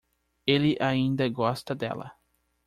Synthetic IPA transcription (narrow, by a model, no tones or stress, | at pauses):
elɪʔaĩnd̪ɐɡɔst̪ɐd̪ɛ̰lɐ̰